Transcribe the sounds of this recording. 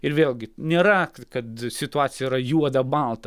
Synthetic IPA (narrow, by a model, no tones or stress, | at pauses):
ɪɾʋʲeːlʲˠɡʲɪnʲeːɾɐkɐt̪sʲɪt̪ʊɑːt̪sʲɪjɛiɾɐjuɔd̪ɐbɐlˠt̪ɐ